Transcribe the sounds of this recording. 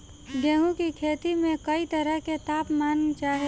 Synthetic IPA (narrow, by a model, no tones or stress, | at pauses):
ɡɛ̃ːɦũkikʰeːt̪imẽkɐit̪əɾəɦket̪aːpmaːnːt͡ʃaːɦe